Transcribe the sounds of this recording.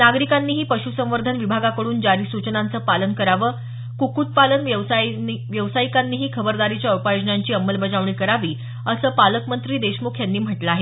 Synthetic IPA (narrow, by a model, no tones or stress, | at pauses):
naɡɾikanːiːɦiːpəɕusə̃ʋ̃ʋəɾd̪ʱənʋibʱaɡakəɽuːnd͡ʑaɾiːsut͡ɕnant͡səːpalənkəɾaʋəː | kukut̪̚palənəʋʋjəʋsaikanːiːɦiːkʰəbəɾd̪aɾit͡ɕjaəwpajod͡ʑnaɲt͡ɕiːəmːəlbəd͡zaʋɳiːkəɾaʋiː | əsəːpaləkmənt̪ɾiːd̪eɕmukʰjanːiːm̤əʈləaɦe